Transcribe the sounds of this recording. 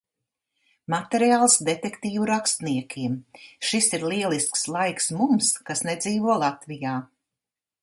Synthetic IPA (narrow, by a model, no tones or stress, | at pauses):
mat̪eɾiaːlˠsd̪et̪ekt̪iːvuɾakst̪niɛkʲʰiɛmʃisiɾlˠiɛlˠiskslˠajksmumskasned̪ziːvuɔlˠat̪vijaː